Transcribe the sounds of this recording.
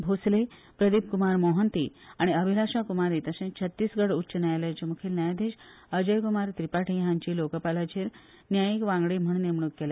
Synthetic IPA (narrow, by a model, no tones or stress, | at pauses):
bʱosle | pɾəd̪ip̚kumaɾmoɦənt̪ḭaɽ̃iəbʱilaɕakumaɾit̪əsẽt͡ɕʰət̪ːiːsɡəɽuɕənajalet͡ɕemukʰilnajd̪eɕ | əd͡ʑəjkumaɾt̪ɾipaʈʰijɦãɲt͡ɕiːlokəpalad͡ʑeɾ | njajikʋãŋɡɽim̤əɳ̃nemɳ̃ukkːele